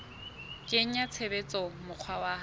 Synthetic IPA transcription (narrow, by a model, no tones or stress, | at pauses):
kʼeŋ̩at͡sʰebet͡sʼɔmʊq͡χʰwawa